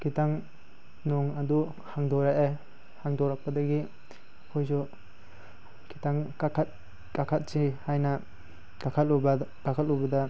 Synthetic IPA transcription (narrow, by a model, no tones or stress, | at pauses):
kʰitaŋ | nɔŋad̪u | haŋdɔɾajʔa | haŋdɔɾak̚pɐdɐɡi | kʰɔjzɔ | kʰitaŋakʰat̚ | kakʰat̚t͡ʃihajna | kakʰat̚ɔbkakʰat̚ɔbɐda